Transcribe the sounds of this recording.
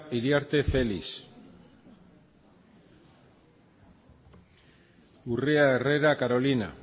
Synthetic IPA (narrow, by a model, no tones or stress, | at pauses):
iɾiaɾt̪e̞fe̞lis | ureaere̞ɾakaɾo̞lina̰